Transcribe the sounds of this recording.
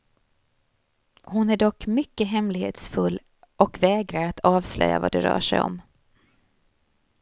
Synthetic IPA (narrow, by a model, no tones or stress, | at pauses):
hʊnæɖɔkːmʏkːəɦɛmlɪɡhḛːt̪sfɵlː | ʔɔkvɛːɡɾaɾat̪ʰɑːvslœ̰jːa̰va̰d̪ɛɾœ̰ːʂɛjɔ̰m